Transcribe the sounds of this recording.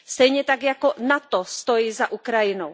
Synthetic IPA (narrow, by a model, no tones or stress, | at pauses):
st̪ɛjɲɛt̪aɡjakɔnat̪ɔst̪ojiːzaʔukɾajinɔw